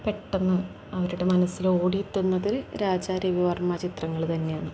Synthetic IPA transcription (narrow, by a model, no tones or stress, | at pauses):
pe̞ʈːɐnːɨ | ɐʋɐɾuɽemɐnɐsːilo̞ːɽit̪ːunːɐðiɾɨɾaːd͡ʑaːɾiʋiʋɐrmɐt͡ɕit̪rɐŋːɐɭt̪ɐnːe̞jaːɳɨ